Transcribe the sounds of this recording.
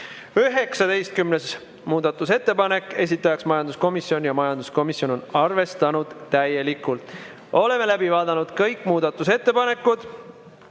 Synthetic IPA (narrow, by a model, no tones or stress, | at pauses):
yɦe̞ksɑd̪e̞jst̪̚kymnes | muːd̪ɑt̪ːˑuse̞t̪ːe̞pɑne̞kˑːe̞s̬ʲit̪ːˑɑjɑksmɑjɑnd̪usko̞misio̞njɑmɑjɑnd̪usko̞misjo̞no̞nɑrve̞st̪ɑnud̪̥t̪æjːe̞likːˑult̪ˑ | o̞le̞me̞læbivɑːd̪ɑnud̪̥kɤjkːˑmuːd̪̥ɑt̪ːˑuse̞t̪ːepɑne̞kːˑud̪̥